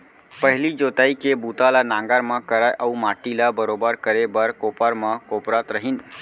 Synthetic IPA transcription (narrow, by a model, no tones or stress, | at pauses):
pəɦɪlid͡ʒot̪aikebut̪alanãŋɡaɾmãkəɾajʔəumaːʈilabəɾobəɾkəɾebəɾkoːpəɾmãkopɾat̪ɾəɦin